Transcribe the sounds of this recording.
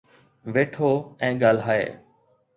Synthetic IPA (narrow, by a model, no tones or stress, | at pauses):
ʋeːʈʰoːɛ̃ːɠaːlɦaːḛː